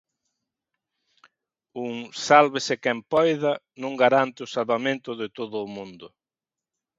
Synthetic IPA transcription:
uŋsalβɪsɪkɛmpɔjðɐ | nõŋɡaɾant̪ɪʊsalβamẽnt̪ʊðɪt̪oðʊːmũnd̪ʊ

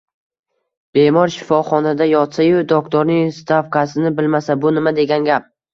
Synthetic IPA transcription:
b̥e̞mɒɾʃɪfɒχɒnad̪ajɒt̪sajod̪ɒk̚t̪ʰɒɾnɪŋst̪ʰafkasɪnɪbɪlmasabʊnɪmad̪e̞ɡʲanɡʲap̚

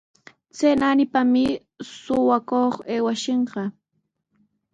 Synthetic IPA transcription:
t͡senanɪpamɪ | sʊwakoχeːwaʃeɴɢɑ

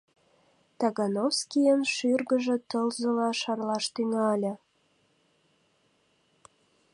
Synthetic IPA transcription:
t̪ɑɣɑnofskijənʃyrɣəʒĕt̪əlzəlɑʃɑrlɑʃt̪yŋɑlʲə̆

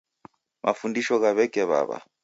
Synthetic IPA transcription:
mʔafundiʃɔɣaβɛkɛβa̰βa̰

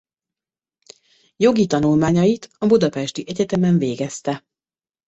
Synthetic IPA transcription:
jo̞ɡit̪ɒnulmaːɲɒjit̪ɒbud̪ɒpɛʃt̪iʔɛɟɛt̪ɛmɛɱveːɡɛst̪ɛ

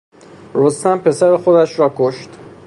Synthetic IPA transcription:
ɾost̪æmpʰe̞sæɾexo̞d̪æʃɾɒːkʰoʃt̪

